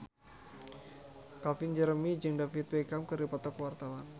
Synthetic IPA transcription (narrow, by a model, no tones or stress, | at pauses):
kafɪnd͡ʒəɾəmid͡ʒɨŋdafit̪̚wekamkɨrdipat̪ɔkwart̪awan